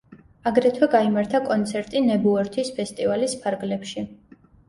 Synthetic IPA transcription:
aɡɾɛt̪ʰwɛɡaimaɾt̪ʰakʼɔnt̪sʰɛɾt̪ʼinɛbuɔɾt̪ʰispʰɛst̪ʼivalispʰaɾɡlɛpʃi

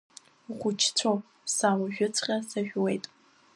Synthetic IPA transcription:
χʷʊt͡ʃʰt͡sʷʰo | saːwaʒᶣʊt͡sʷʰʼqʲʼɐsaʒᶣwejtʼ

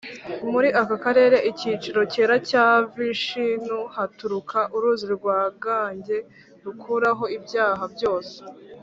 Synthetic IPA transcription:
muɾiʔakakaɾe̞ːɾe̞ʔicit͡ʃiɾo̞ceːɾacaːviʃinuhatuɾukʰaʔuɾuːziɾɡwaːɡaːɲɟe̞ | ɾukʰuɾaɦo̞ibjaːɦabjo̞ːse̥

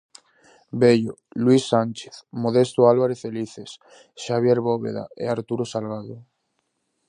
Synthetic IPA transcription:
beʎolwisːant͡ʃe̥θmoðest̪oalβaɾefeliθes | ʃaβ̞jeɾβoβḛða̰ḛaɾt̪uɾosalɣaðo

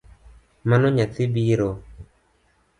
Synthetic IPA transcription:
manɔɲatibiɾo

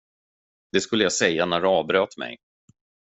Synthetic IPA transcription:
d̪ɛskɵlːəjasɛjːanæɖɛɑːvbɾøːt̪mɛ̰j

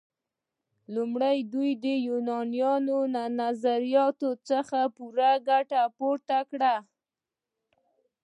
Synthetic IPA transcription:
lumɽajd̪ujd̪əjunɑnijɑnonanazaɾijɑt̪ot͡səxapuɾaɡaʈapoɾt̪akɽa

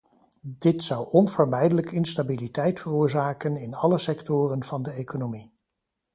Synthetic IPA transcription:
dɪtsʌwɔnvəɹmɛjdələkɪnstabilitɛjtfərʊːɹzaːkənɪnɑləsɛktʊːrənv̥ɑndəejkonomi

